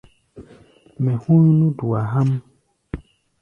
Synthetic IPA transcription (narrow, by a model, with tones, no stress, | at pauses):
mɛ˨hũ˦ɲ˦nũ˦du˨a˨ɦa˦m